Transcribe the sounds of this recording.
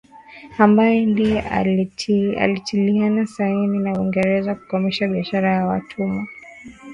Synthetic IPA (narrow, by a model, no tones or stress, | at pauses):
ambajɛndi | a̰litʰilianasaininauiŋɡɛɾɛzaku̥kɔmiʃaɓiaʃaɾajawa̰tʰuma